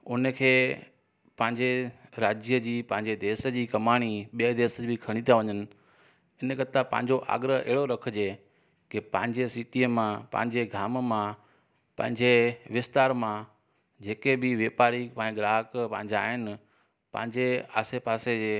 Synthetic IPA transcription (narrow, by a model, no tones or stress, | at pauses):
ʊnəkʰeː | pɐ̃ɦɪ̃ɲd͡ʑeɾaːd͡ʑəd͡ʑiːpɐ̃ɦɪ̃ɲd͡ʑed̪eːsəd͡ʑiːkɐmaːɽ̃iɓijəd̪eːsəbɪkʰɐɽ̃it̪ʰijaʋɐɲənɪ̆ | ɪnkɐt̪apɐ̰̃ɦɪ̃ɲ̆d͡ʑoʔa̰ːɡɾəɦɛ̰ɦɪɽoɾɐkʰə̆d͡ʑeː | kepɐ̃ɦɪ̃ɲd͡ʑesiːʈiːəmãpɐ̰̃ɦɪ̃ɲd͡ʑeɡʱaːmmã | pɐ̃ɦɪ̃ɲd͡ʑeʋɪst̪aːɾmã | d͡ʑeːkebɪʋeːpaːɾipɐ̃ɡɾaːkpɐ̃ɦɪ̃ɲd͡ʑaːɦɪnɪ̆ | pɐ̰̃ɦɪ̃ɲd͡ʑea̰ːsepaːseeː